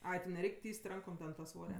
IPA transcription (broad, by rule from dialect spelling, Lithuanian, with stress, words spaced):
ˈɐɪ tʲɪ nʲɛˈrʲɛɪkʲ ˈtʲiːsʲtʲ ˈrɐŋkoːm tʲɛn tɐ ˈsʋoːrʲɛ